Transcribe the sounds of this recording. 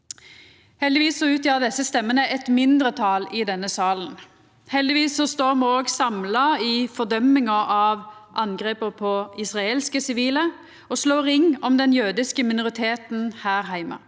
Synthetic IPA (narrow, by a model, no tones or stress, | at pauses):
hɛld̪ɪʋiːsːɔʉːt̪ɪɑd̪ɛsːəst̪ɛmːənəʔɛt̪mɪnd̪ɾət̪ʰɑːlɪd̪ɛnːəsɑːlən | hɛld̪ɪʋiːsːɔst̪oːmoːɡsɑmlɑɪfɔd̪œmːɪŋɑʔɑʋʔɑnɡɾeːpəpʰɔɪsʁɑeːlskəsɪʋiːlə | ɔsloːɾɪŋːɔmd̪ɛnjøːd̪ɪskəmɪnʊʁɪt̪ʰeːt̪nhæːɾɦæɪmə̰